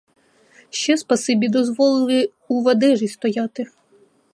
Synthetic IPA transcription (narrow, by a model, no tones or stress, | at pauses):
ʃt͡ʃɛspɐsɪbʲid̪ɔzʋɔlˠɪlˠɪ | uʋɐd̪ɛʒist̪ɔjɑt̪ɪ